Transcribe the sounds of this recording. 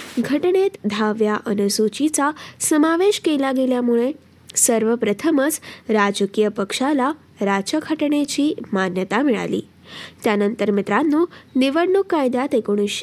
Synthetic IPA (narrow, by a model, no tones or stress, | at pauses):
ɡʱəʈɳet̪d̪ʱaʋjaʔənesut͡ʃitasəmaʋeʃkeilaɡeljamuɭe | səɾʋəpɾət̪ʰəməsɾad͡ʒəkijəpəkʃala | ɾat͡ʃəkʰəʈɳet͡ʃʰimanjət̪amɛɭa̰lḭ | t̪janənt̪əɾmɪt̪ɾanːũnɪʋəɽːukːajd̪at̪ekoɳ̃iʃ